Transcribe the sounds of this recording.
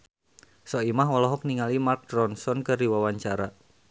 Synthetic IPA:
sɔimahwɔlɔɦɔk̚niŋalimark̚dɾɔnsɔnkərdiwawaɲt͡ʃaɾa

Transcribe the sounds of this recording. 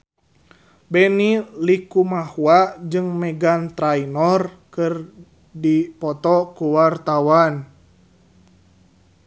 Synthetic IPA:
bɛnilikumahuad͡ʒɨŋmɛɡant̪ɾainɔrkɨr | dipɔt̪ɔkuwart̪awan

